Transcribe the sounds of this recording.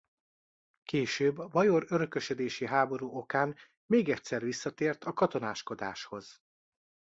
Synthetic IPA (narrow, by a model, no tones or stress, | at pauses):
keːʃøːbɒvɒjo̞ɾøɾøkø̞ʃød̪eːʃiɦaːbo̞ɾuːo̞kaːn | meːɡɛcʲsɛrʋisːɒt̪eːrt̪ʰɒkɒt̪o̞naːʃko̞d̪a̰ːʃho̞z̥